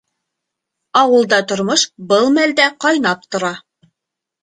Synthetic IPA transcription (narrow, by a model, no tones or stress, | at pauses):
ɑwɤ̆lˠd̪ɑt̪ŏɾmoʃbɤlˠmæld̪æqɑjnɑp̚t̪ŏɾɑ